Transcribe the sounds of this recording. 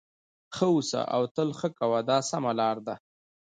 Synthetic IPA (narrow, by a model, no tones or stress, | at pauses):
xəusa̰ʔa̰wt̪əlxəkawad̪ɑsamalɑːɾd̪a